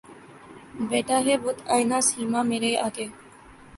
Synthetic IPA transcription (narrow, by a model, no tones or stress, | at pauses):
beːʈaːɦeːbʊt̪ʰaːjnaːsiːmaːmeɾeːʔaːkeː